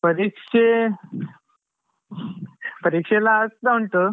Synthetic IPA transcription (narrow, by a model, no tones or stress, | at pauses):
pəɾikʂe | pəɾikʂelaəstaɦuɳʈ̪ə